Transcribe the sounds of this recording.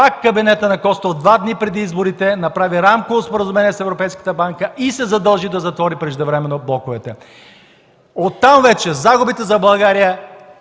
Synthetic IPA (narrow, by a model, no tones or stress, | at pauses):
pakːɐbinɛt̪ənɐkɔst̪od̪vad̪nipɾɛd̪iizboɾit̪ɛnɐpɾaviɾamkovospoɾəzʊmɛniɛsɛvɾopɛjskə̥t̪əbaŋkəʔisɛzɐd̪əlˠʒid̪ɐzɐt̪vɔɾipɾɛʒd̪ɛvɾɛmɛnːoblˠɔkovɛt̪ɛ | ot̪ːamvɛt͡ʃɛzaɡʊbit̪ɛzɐbˠɐlˠɡaɾijə